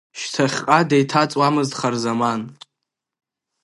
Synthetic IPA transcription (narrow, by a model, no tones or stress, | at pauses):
ʃtʰaχʲqʼadejtʰat͡sʼwamɨztχarzaman